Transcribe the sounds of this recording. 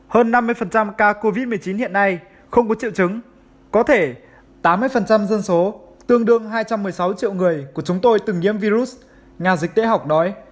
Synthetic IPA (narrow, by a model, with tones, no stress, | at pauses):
həː˧nːa˧mːɨ˧əjfə˨˩nt͡ɕa˧mkaː˧ko˧vi˦˥t̚mɨ˨˩əjt͡ɕi˨˦nhḭ˧˨ənːa˧j | xə˧wŋ͡mkɔ˨˦t͡ɕḭ˧˨wt͡ɕɨ˨˦ŋ | kɔ˨˦t̪ʰe˧˩ | t̪aː˨˦mːɨ˧əjfə˨˩nt͡ɕa˧mzə˧nso˨˦ | t̪ɨ˧əŋɗɨ˧əŋɦaː˧jt͡ɕa˧mːɨ˨˩əjsa˨˦wt͡ɕḭ˧˨əwŋɨ˨˩əjku˧˩ət͡ɕʊ˨˦ŋ͡mt̪o˧jt̪ɨ˨˩ŋɲḭ˧˥əmvi˧zu˦˥ | ŋaː˨˩zï˨˩k̟̚t̪ḛ˧˦ɦa˨˩wk͡p̚nɔ˨˦j